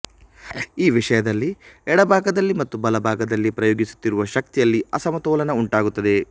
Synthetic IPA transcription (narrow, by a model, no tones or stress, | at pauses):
iːʋiʂɐjɐd̪ɐlːiɛɽɐbʱaːɡɐd̪ɐlːimɐt̪ːubɐlɐbʱaːɡɐd̪ɐlːipɾɐjoːɡisu̥t̪ːiɾuʋɐʃɐk̚t̪ijɐlːiɐsɐmɐt̪ɔːlɐnɐuɳʈaːɡut̪ːɐd̪e̞